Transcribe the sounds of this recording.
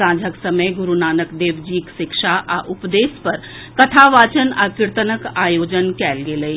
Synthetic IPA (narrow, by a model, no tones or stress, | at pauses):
sãːd͡ʒʱəksɐməjɡʊɾunaːnəkd̪eːʋd͡ʒiːkʃɪkʃaʔaʔʊpd̪eːspɐɾ | kɐʈ̪ʰaʋaːt͡ʃənaːkɪɾt̪ənəkaːjoːd͡ʒənkɛːlɡeləi